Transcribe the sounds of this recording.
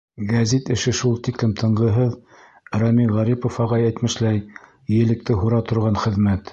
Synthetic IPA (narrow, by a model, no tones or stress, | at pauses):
ɡæzit̪ɘ̆ʃɘʃulˠt̪iklɘmt̪ʰɤ̆ɴɢɤ̆ɦɤð | ɾɑmiʁæɾipofɑʁɑjæjt̪mɘ̆ʃlæj | jɘ̆lɘ̆k̚t̪ɘɦuɾɑt̪ŏɾʁɑnχɘ̆ðmæt̪